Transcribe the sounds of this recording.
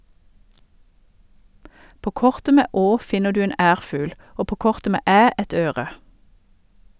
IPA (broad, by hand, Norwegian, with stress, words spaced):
ˈpoː ˈkɔʁtə ˈmeː ˈoː ˈfɪnə ˈdʉː ˈeːn ˈæːʁfʉːl ˈoː ˈpoː ˈkɔʁtə ˈmeː ˈæː ˈɛt ˈøːʁə